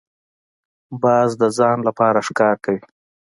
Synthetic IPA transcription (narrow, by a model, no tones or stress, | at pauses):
bɑːzd̪əzɑnlapɑɾaʂkɑɾkawi